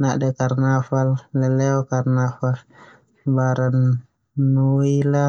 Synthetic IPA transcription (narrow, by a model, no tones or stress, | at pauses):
naʔdɛkarnafalːɛlɛɔkarnafal | baɾan | nːoila